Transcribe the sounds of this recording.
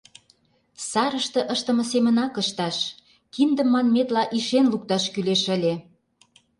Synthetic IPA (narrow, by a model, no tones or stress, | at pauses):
sɑɾəʃt̪ɤ̆ʔəʃt̪ə̆mə̆semə̆nɑkəʃt̪ɑʃ | kind̪ə̆mːɑnmet̪lɑʔiʃenluk̚t̪ɑʃkyleʃə̆lʲe